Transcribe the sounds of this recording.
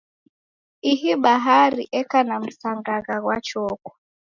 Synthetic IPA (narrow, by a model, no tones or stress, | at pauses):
iɦiɓaɦaɾḭʔɛkanam̩saŋɡaɣaɣwat͡ʃɔkwa